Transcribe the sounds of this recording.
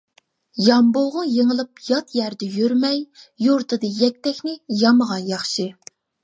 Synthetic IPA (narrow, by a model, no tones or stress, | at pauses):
jɑmboʁɑjeŋəlˠɨpjɑt̪jæɾd̪ɛjøɾmɛjjuɾt̪ʰɨd̪ɨjɛk̚ʲt̪ɛkʲnɪjɑməʁɑnjɑχʃɨ